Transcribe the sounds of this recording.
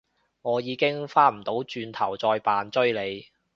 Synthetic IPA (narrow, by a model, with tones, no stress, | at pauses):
ŋɔː˨˧jiː˨˧kɪ˥ŋfaː˥m̩˨˩t̪o˨˥wt͡ʃyː˧nt̪ʰɐ˨˩wt͡sɔː˧jpaː˨nt͡sɵ˥ɥle˨˧j